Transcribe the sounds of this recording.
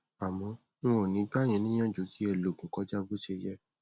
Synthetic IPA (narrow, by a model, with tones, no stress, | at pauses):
a˨mɔ̃˨˧˦ | ñ̩˦wɔ˦˨nĩ˨˦ɡ͡ba˦˨j̃ĩ˧˦nĩ˦j̃ã˦˨d͡ʒo˨˦ki˦ɛ˧˨lo˨ɡũ˨kɔ˨˦d͡ʒa˦bo˦ʃe˧˦˧jɛ˦